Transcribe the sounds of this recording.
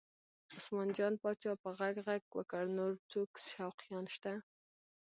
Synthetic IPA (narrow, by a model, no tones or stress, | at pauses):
ʊsmɑnd͡ʒɑnpɑt͡ʃɑpəɣaɡɣaɡ̚wə̰kəɽnoɾt͡soksʃawqijɑnʃt̪a